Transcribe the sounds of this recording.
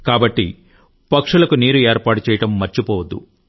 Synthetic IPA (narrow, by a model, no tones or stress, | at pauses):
kaːbɐʈːi | pɐkʂulɐkuniːɾueːɾpaːʈut͡ʃɛːjɐʈɐmːɐɾt͡ʃipɔːʋɐd̪ːṵ